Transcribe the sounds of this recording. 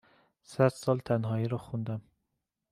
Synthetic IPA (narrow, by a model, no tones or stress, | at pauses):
sæd̪̥sɒːlt̪ʰænɦɒːiɾɒxund̪æm